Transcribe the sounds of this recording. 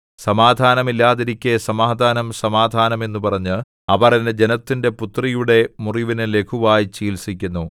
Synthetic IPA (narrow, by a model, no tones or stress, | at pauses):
sɐmaːd̪ʱaːnɐmilːaːðiɾikʲːesɐmaːd̪ʱaːnɐmsɐmaːd̪ʱaːnɐme̞nːupɐrɐɲːɨ | ɐʋɐrɐned͡ʑe̞nɐt̪ːinde̞put̪rijuɽe̞muriʋinɨle̞kʰuʋaːjit͡ɕiːlsikʲːunːu